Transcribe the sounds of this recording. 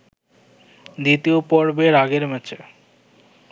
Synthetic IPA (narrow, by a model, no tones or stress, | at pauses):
d̪it̪iopɔɾbeɾaɡeɾmɛt͡ɕʰe